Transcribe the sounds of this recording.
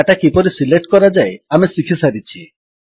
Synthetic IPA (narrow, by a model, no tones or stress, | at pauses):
aʈakipɔɾisileʈkɔɾad͡ʒaeamesikʰisaɾit͡ʃʰi